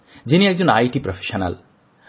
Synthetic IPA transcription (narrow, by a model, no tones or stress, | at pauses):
d͡ʑiniɛɡ̚d͡ʑonajʈipɾofʰe̥ʃona̰l